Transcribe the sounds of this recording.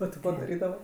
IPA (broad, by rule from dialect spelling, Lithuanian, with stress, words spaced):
oː tʲɪ ˈkoː dɐˈrʲiːdɐʋɐ